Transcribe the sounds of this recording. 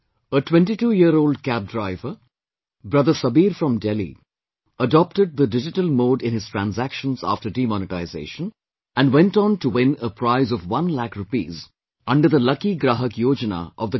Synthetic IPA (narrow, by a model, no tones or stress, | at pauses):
əʈwɛ̃nʈiʈuːjiəɾoːlɖkæb̚ɖɾaɪvə | bɾʌd̪əsʌbiːɾfɾɔ̃mɖɛlḭ | əɖɔp̚ʈəɖ̚d̪əɖɪd͡ʒɪʈəlmoːɖɪ̃nhɪz̥tɾæ̃nzækʃə̃nza̰ːfʈəɾɖimɔnɪʈaɪzḛːʃə̃n | æ̃nwɛ̃nʈɔ̃nʈuwɪ̃nəpɾaɪzɔʋwʌ̃nlækɾʊpḭːz | ʌ̃ɳɖəɾd̪əlʌkiɡɾaːɦəkjoːd͡ʒəna̰ʔɔʋd̪ə